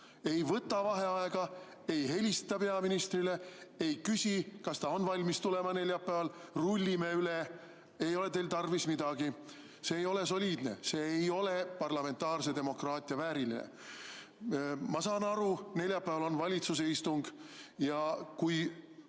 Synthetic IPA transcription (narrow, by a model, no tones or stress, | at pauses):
e̞jvɤt̪ːˑɑvɑɦe̞ɑeɡ̥ɑ | e̞jɦe̞lʲist̪ɑpe̞ɑminist̪rile̞e̞jkysʲikɑst̪ɑo̞nvɑlʲmist̪ule̞mɑne̞lʲjɑpːˑæːvɑlrulʲːimeyle | e̞jo̞le̞t̪e̞ːlt̪ɑrvismid̪̥ɑɡ̥i | se̞ːjo̞le̞so̞lʲiːd̪̥ne̞̰se̞ːjo̞le̞pɑrlɑme̞nt̪ːɑːrse̞d̪e̞mo̞krɑːt̪ʲˑiɑvæːɾilḭnḛ | mɑsɑːnɑɾune̞lʲjɑpːˑæːvɑlo̞nvɑlʲit̪sus̬e̞ist̪uŋɡ̥jɑkuj